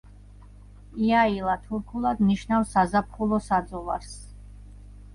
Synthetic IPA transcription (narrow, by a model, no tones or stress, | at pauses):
iailˠat̪ʰuɾkʰulˠad̪niʃnafsazap̚ʰχulˠɔsad̪zɔvaɾs